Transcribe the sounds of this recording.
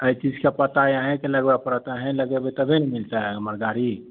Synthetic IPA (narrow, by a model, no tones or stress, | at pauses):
əjt͡ʃid͡ʒkepət̪ajaɦɛ̃keləɡbepəɾət̪aɦɛ̃ləɡebet̪əbʱenmilt̪aəməɾɡaɾi